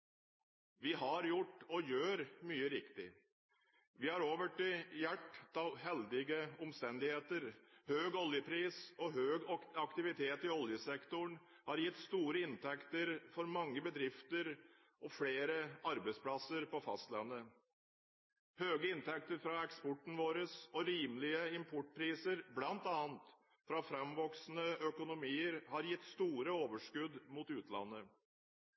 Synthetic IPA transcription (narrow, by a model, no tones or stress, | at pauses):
ʋɪɦɑɾjʊʈːɔjøːɾmyːəɾɪkt̪ɪ | ʋɪhɑɾoːʋəʈɪjæʈːt̪ɑhɛld̪ɪɡəɔmst̪ɛnd̪ɪheːt̪əɾhøːɡɔljəpʰɾiːsɔɦøːɡɑkt̪ɪʋɪt̪ʰeːt̪ɪɔljəsɛkt̪ʊɳ | hɑɾjɪt̪ːst̪uːɾəɪnt̪ʰɛkt̪əɾfɔɾmɑŋːəbəd̪ɾɪft̪əɾ | ʔɔfleːɾəɑɾbəɪspʰlɑsəɾpɔfɑ̰st̪lɛnːə | høːɡəɪnt̪ʰɛk̚t̪əɾfɾɑɛkspɔʈːɳ̩ʋoːɾəsɔɾiːməlɪəɪmpʰɔʈ̚ːpʰɾiːsəɾblɑnt̪ɑːnt̪ | fɾɑfɾɛmʋɔksnəœkʊnʊmiːəɾhɑɾjɪt̪ːst̪uːɾəoːʋəʂkʉd̪muːt̪ʉːt̪ʰlɑ̰nːə